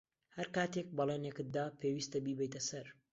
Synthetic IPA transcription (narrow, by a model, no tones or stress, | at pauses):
hɐɾkaːt̪ek̚bɐlˠenjɛkɨt̪̚d̪aːpʰewiːst̪ɐbiːbɛjt̪ɐsɐɾ